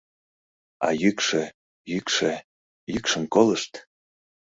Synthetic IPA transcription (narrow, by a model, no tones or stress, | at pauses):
ɑ̰jykʃe | jykʃe | jykʃə̆nkoləʃt̪